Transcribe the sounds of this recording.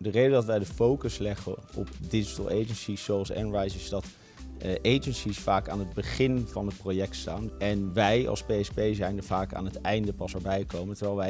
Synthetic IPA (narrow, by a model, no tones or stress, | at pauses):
dərejdədɑtʋɛjdəfowkəslɛχəɔ̰pdɪd͡ʒətəlˠejd͡ʒənsizowɑlˠsɛ̰nɹajsɪsdɑt | ʔejd͡ʒənsisfaːkaːnɦəd̚bəχɪnv̥ɑnɦət̚projɛk̚tstaːnɛnʋɛjɑ̰lˠspeɛspejzɛjndəɹvaːka̰ːnɦətɛjndəpɑsəɹbɛjkowmətəɹʋɛjlˠʋɛj